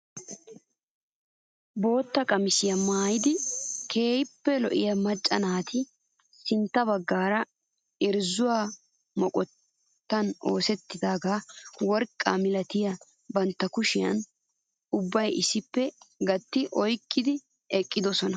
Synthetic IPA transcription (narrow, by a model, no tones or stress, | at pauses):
bo̞ːt̪ːɐkʼɐmɪsɪjɐmaːjɪd̪ɪkʰe̞ːjɪpːɛlɔ̰ʔɪjɐmɐt͡ʃʼːɐnaːt̪ʰɪ | sɪnt̪ːɐbɐɡːaːɾɐ | ɪɾzʊwaː | mɔkʼɔt̪ː | ɐno̞ːsɛt̪ːɪd̪aːɡaːwɔɾkʼːa̰mɪlɐt̪ɪjɐ | bɐnt̪ːɐkʊʃɪjɐ̰n | ʊbːɐjʔɪsɪpːɛɡɐt̪ːɪʔɔjkːɪd̪ɪ | ɛkʼːɪd̪ɔsɔnɐ